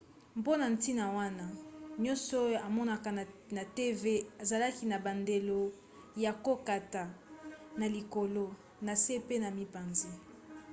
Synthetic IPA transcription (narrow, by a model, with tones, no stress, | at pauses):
mpo˦na˨n˨ti˦na˨wa˦na˦ɲɔ̃˦nsɔ˦a˨mɔ˦na˦˨ka˨na˨te˦ve˦e˨za˨la˦ki˦na˨ba˨nde˨lo˦ | ja˨ko˦ka˨ta˨na˨li˨ko˨lo˦ | na˨se˦pe˦na˨mi˦pa˨nze˦